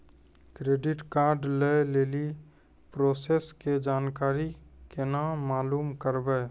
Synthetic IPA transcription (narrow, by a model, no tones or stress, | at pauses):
kɾeːɖɪʈkaːɾɖleleːli | pɾoːsesked͡ʒaːnkaːɾikenaːaːluːmkəɾbɛː